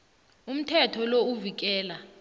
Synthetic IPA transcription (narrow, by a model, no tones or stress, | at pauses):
um̩tʰɛtʰɔlouvik̬ɛːla